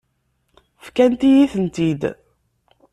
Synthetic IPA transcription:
fkænt̪ijiθənt̪id̪

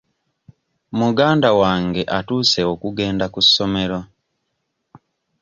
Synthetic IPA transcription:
muɡaːndawaːŋɡe̞ʔatuːse̞okuɡe̞ːndakusːo̞me̞ɾo̞

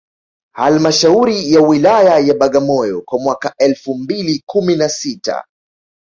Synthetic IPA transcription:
ha̰lmaʃauɾijawilajajaɓaɠamɔjɔkwamwakaɛlfum̩bilikuminasita̰

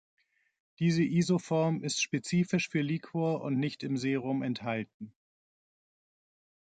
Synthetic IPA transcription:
d̥iːzəʔiːzofɔɐmɪstʃpet͡siːfɪʃfyːɐliːkʰoɐʔʊ̰ntnɪçtɪmzeːʁʊmɛnthalt̚n̩

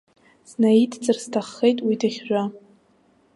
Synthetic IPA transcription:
snaidʰt͡sʼɨrstʰaχːejtʼwidɨχʲʒʷᶣa

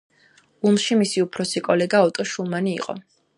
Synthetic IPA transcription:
umʃimisiupʰɾɔsikʼɔlɛɡaɔt̪ʼɔʃulˠmanḭːqʼɔ̰

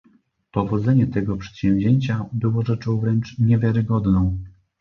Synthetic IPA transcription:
pɔvɔd̪zɛɲɛt̪ɛɡɔpʂɛ̥t̪ɕɛ̃wvʲʑeɲt͡ɕabɘwɔʐɛt͡ʂɔ̃w̃vɾɛnt͡ʂɲɛvʲjaɾɘɡɔd̪nɔ̃w̃

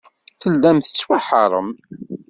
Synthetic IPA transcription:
θəlːæmθə̥t͡sːwaħə̰ɾˤə̰m

